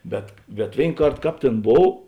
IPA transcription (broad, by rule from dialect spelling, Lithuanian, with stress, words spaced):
ˈbʲɛt bʲɛt ˈʋʲeːɪn ˈkɐrt ˈkɑːp ˈtʲeːn ˈboːw